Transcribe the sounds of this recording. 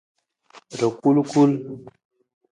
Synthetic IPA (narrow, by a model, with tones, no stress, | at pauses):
ɾə˨ku˦lku˦l